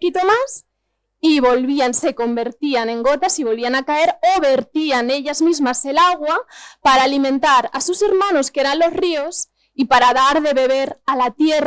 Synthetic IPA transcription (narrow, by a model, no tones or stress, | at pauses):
kit̪omas | iβo̞lβianse̞ko̞mbe̞ɾt̪ianẽ̞ŋɡot̪asiβo̞lβianakae̞ɾoβeɾt̪ianeʎazmizmaselaɣ̞wapaɾaːlimẽnt̪aɾa̰suseɾmanoskeɾanlo̞srios | ipaɾaðaɾðe̞βe̞β̞eɾalat̪jer